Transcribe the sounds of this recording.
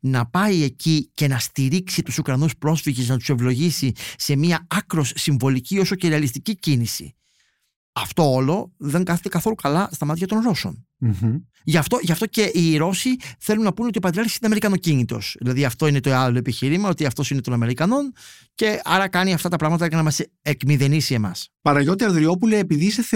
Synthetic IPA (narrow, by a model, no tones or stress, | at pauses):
nɐpɐje̞cice̞nɐst̪iɾiksit̪usukɾɐnuspɾo̞sfiʝeznɐt̪u̥se̞vlo̞ʝisise̞miɐɐkɾo̞sːiɱvo̞licio̞so̞ce̞ɾeɐlist̪icicinisḭ | ɐft̪o̞olo̞ðe̞ŋɡɐθet̪e̞kɐθo̞lukɐlɐst̪ɐmɐt̪çɐt̪o̞nɾo̞so̞̰n̩ | ʝɐft̪o̞ʝɐft̪o̞ce̞ʔiɾo̞siθe̞lunːɐpuneo̞t̪iopɐt̪ɾiɐɾçisineɐme̞ɾikɐno̞cinit̪o̞̰sðilɐðiɐft̪o̞ine̞t̪oɐlo̞e̞piçiɾimɐo̞t̪iɐft̪o̞sine̞t̪o̞nɐme̞ɾikɐno̞n | ce̞ɐɾɐkɐniɐft̪ɐt̪ɐpɾɐɣmɐt̪ɐekɐnɐmɐse | ekmiðe̞nisie̞mɐspɐɾɐʝo̞t̪iɐɾðɾio̞puleepiðiseθe